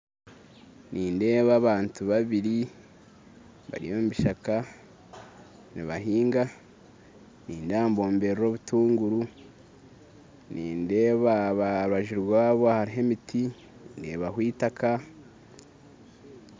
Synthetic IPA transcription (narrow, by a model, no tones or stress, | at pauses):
niːnde̞ːβaːβaːntuβaβiɾi | βa̰ɾḭjo̞mumiʃaka | nḭβaɦiːŋɡa | niːndaːmbo̞ːmbe̞ɾɾo̞ːβutuːŋɡuɾu | niːnde̞ːβaβaɾuaʒiɾwaːβoahaɾiɦe̞mitʰi | inde̞̰ːβahwiːtakʰa